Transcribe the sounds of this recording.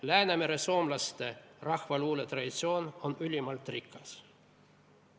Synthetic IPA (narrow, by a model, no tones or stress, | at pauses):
læːnæmeɾeso̞ːmlɑst̪erɑxvɑluːlet̪rɑd̪ʲit̪sio̞ːnonylʲimɑlt̪rikːɑs